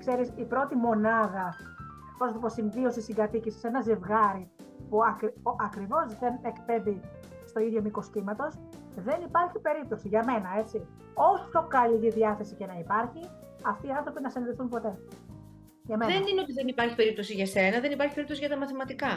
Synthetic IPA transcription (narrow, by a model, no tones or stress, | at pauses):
kse̞ɾisipɾo̞t̪imo̞nɐðɐ | posnɐt̪ipo̞siɱvio̞sisiŋɡɐt̪icisi̥se̞nɐzevɣɐɾi | puɐkɾʔɐkɾivo̞zðe̞nekpe̞d̪i | st̪o̞iðʝomiko̞sc̪imɐt̪o̞s | ðe̞nipɐɾçipe̞ɾip̚t̪o̞siʝɐme̞nɐe̞t͡si | o̞sufkopkɐliʝiðiɐθe̞sice̞nɐipɐɾçi | ɐft̪iːɐnθɾo̞pinɐsiniðeθumpo̞t̪e̞ | ʝɐmenineot̪iðenipɐɾçi̥pe̞ɾip̚t̪o̞siʝɐse̞nɐðenipɐɾçipe̞ɾipt̪osiʝɐt̪ɐmɐθimɐt̪ikɐ